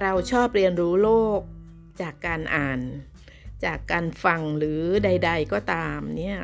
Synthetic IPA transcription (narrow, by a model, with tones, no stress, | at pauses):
ɾa˧wt͡ɕʰɔː˥˩p̚ɾi˧ənɾuː˦˥loː˥˩k̚ | t͡ɕaː˨˩kːaː˧nʔaː˨˩n | t͡ɕaː˨˩kːaː˧nfa˧ŋɾɯː˩˦da˧jda˧jkɔː˥˩t̪aː˧mni˦˥˩ɐ